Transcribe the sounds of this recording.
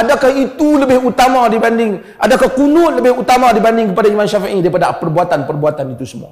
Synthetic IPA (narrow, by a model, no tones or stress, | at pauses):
adakahit̪uləbɪhut̪amadibandɪŋ | ʔadakahkunʊt̪̚ləbɪhut̪amadibandɪŋkəpadaimanʃafḭʔidaɾipadapərbuat̪anpərbuat̪anit̪usəmṵa̰